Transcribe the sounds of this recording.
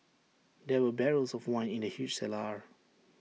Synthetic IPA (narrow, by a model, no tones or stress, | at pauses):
dɛwəbɛɹəlsɔvwãɪ̃nĩndəhjud͡ʒsɛlaɹ